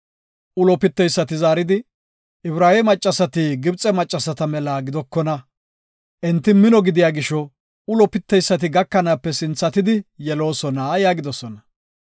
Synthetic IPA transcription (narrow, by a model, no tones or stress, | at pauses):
ʔʊlɔpɪt̪ːɛjsːɐt̪ɪzaːɾɪd̪ɪ | ʔɪbɾaːjɛmɐt͡ʃʼːɐsɐt̪ɪɡɪbt͡sʼɛmɐt͡ʃʼːɐsɐt̪ɐmɛlaɡɪd̪ɔkːɔnɐ | ʔɛnt̪ːɪmɪnɔɡɪd̪ɪjaːɡɪʃɔ | ʊlɔpɪt̪ːɛjsːɐt̪ɪɡɐkːɐnaːpːɛsɪnt͡sːɐt̪ɪd̪ɪjɛlo̞ːsɔnajaːɡɪd̪ɔsɔnɐ